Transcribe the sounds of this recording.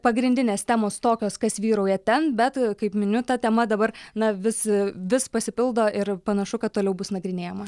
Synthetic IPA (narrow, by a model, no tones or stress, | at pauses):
pɐɡɾʲɪnʲd̪ʲɪnʲeːst̪ʲæːmoːst̪oːkʲoːskɐsʋʲiːɾɐʊjɛt̪ʲɛnbʲɛt̪kɐɪpmʲɪnʲʊt̪ɐt̪ʲɛmɐd̪ɐbɐɾnɐʋʲɪsʋʲɪspɐsʲɪpʲɪlˠd̪oːʔɪɾpɐnɐʃʊkɐt̪̚t̪ːoːlʲɛʊbʊsnɐɡɾʲɪnʲeːjɛmɐ